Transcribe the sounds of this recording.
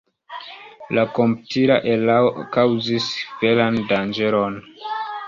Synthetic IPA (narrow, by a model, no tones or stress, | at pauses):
lakomputʰiɾa̰ʔelaokawzisvelandand͡ʒe̞ɾo̞n